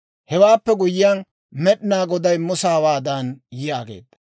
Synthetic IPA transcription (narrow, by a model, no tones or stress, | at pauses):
hɛwaːpːɛɡʊjɪjaːn | mɛɗɪnaːɡɔd̪ɐjmʊsaːwaːd̪ɐnjjaːɡḛːd̪ːɐ̥